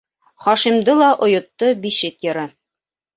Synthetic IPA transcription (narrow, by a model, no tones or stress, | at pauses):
χɒʃimd̪ɤlˠɑʔŏjŏt̪ːɤbiʃɘkjɤ̆ɾɤ